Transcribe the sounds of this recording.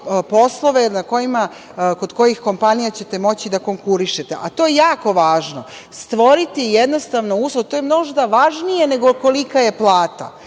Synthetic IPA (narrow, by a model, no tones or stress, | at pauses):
po̞slˠo̞ʋe̞nako̞jima | ko̞d̪ko̞jixko̞mpanijat͡ɕe̞t̪e̞mo̞t͡ɕid̪ako̞ŋkuɾiʃet̪e̞̰ʔat̪o̞jejaːko̞ʋaːʒno̞ | st̪ʋo̞ɾit̪ijed̪no̞st̪aʋnouːslˠot̪o̞ːjemno̞ʒt̪aʋaʒnije̞ne̞ɡoko̞likaje̞plˠaːt̪a̰